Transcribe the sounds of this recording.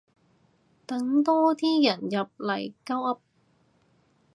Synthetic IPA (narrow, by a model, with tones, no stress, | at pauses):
t̪ɐ˨˥ŋt̪ɔː˥t̪ʰiː˥jɐ˨˩njɐ˨p̚lɐ˨˩jkɐ˥wʔɐ˥p̚